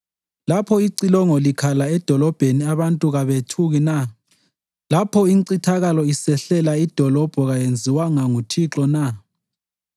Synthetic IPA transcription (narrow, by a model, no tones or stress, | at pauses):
lapʰɔiǀilɔŋɔlikʰalaɛd̥ʱɔlɔb̥ʱeniaβantʼuɣaβetʰuɣina | lapʰɔiŋǀitʰaɣalɔisɛɬɛlaid̥ʱɔlɔb̥ʱɔɣajend͡zʱiwaŋaŋutʰiǁɔna